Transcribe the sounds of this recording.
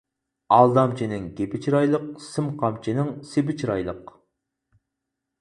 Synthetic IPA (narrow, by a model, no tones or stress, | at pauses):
ɑlˠd̪ɑmt͡ʃʰinɪŋɡʲepɪt͡ʃʰɾɑjlˠəq̚sɨmqʰɑmt͡ʃʰinɪŋsɪbɪt͡ʃʰɾɑ̰jlˠəq